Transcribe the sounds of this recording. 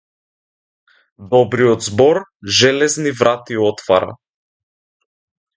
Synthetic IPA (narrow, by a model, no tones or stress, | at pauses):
d̪ɔbɾijɔd̪zbɔɾʒɛlɛznivɾat̪iɔt̪vaɾa̰